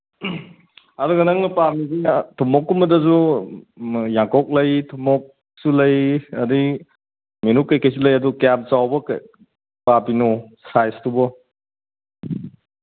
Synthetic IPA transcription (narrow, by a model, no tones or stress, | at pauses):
aduɡɐnaŋnɐpamizitʰumɔkːumbɐdɐzu | jaŋkɔk̚lɐjtʰumɔk̚ | sulɐjɐdi | minut̚kɐjkʰajs̬ulɐjɐdukap̚t͡ʃawbɐk | pabinɔsajstubɔ